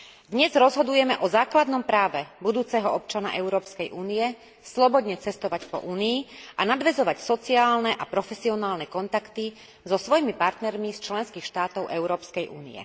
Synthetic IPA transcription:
d̪ɲɛzɾɔzɦɔd̪ujɛmɛʔɔzaːklad̪nɔmpɾaːʋɛbud̪uːt͡sɛɦɔɔp̚t͡ʃana̰ʔɛʊɾɔːpskɛjʔuːnijɛ | slɔbɔd̪ɲɛt͡sɛst̪ɔʋacpɔ̰ʔuːniːanad̪ʋɛzɔʋacsɔt͡siaːlnɛʔapɾɔfɛsiɔnaːlnɛkɔnt̪akt̪i | zɔsʋɔjimipaɾt̪nɛɾmist͡ʃlɛnskixʃt̪aːt̪ɔʊʔɛʊɾɔːpskɛjʔuːnḭɛ̰

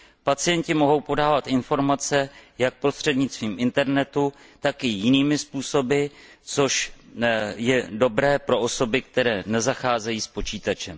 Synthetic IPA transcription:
pat͡sɪjɛncɪmo̞ɦo̞wpo̞daːvat̪ʔɪnfo̞ɾmat͡sɛjak̚pɾo̞st̪r̝̥ɛdɲɪt͡st̪viːmʔɪnt̪ɛɾnɛt̪ut̪akɪjɪniːmɪspuːso̞bɪt͡so̞ʃ | jɛdo̞bɾɛːpɾo̞ʔo̞so̞bɪk̚t̪ɛɾɛːnɛzaxaːzɛjiːspo̞t͡ʃiːt̪at͡ʃɛm

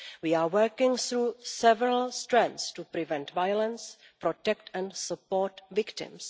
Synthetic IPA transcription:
wiːaːwɜ˞kɪ̃ŋθɾuːsɛvɛɹəlstɾɛ̃nt̪stupɾɪvɛ̃ntvajolɛ̃ns | pɾotɛktɛ̃ntsupoːɾtvɪktɪ̰̃ms

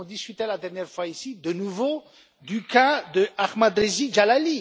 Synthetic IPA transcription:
ɔ̃d̪iskʲyt̪elad̪ɛʁnjɛʁfwaisid̪ənuvo | d̪ykãd̪əʔaʁmad̪ʁeʒiʒalali

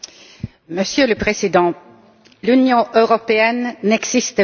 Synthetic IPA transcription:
məsjøləpχezid̪ɑ̃ | lynjɔ̃ʔøʁɔpeɛnːɛɡzist̪ə

